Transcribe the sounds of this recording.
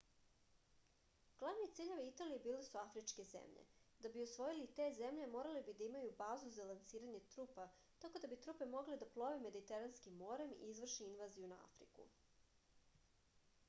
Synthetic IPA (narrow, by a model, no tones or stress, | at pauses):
ɡ̥lˠaʋnit̪siːʎe̞ʋeit̪alijebiːlesuafɾit͡ʃke̞zḛmʎḛd̪abiosʋo̞jilit̪e̞ːze̞mʎe̞mo̞ːɾalebid̪aimajubaːzuzalansiːɾaɲe̞t̪ɾuːpa | t̪ako̞d̪abit̪ɾupe̞mo̞ɡled̪aplˠo̞ʋeme̞d̪it̪eɾanskimːo̞ɾe̞mḭizʋr̩ʃiinʋaːzijunaa̰fɾḭkṵ